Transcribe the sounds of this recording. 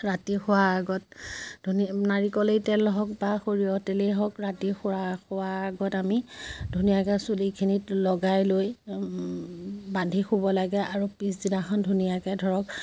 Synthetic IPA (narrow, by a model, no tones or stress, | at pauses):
ɹatixʊwaːɡɔt̚dʱuninaɹikɔlejtɛlɦɔkbaxoɹijɔtɛleɦɔkɹatixʊɹaxʊwaːɡɔtamidʱunijakɛsulikʰinitlɔɡajloj | bandʱixubɔlaɡɛʔaɹupiszinaxʰɔndʱunijakɛdʱɔɹɔk̚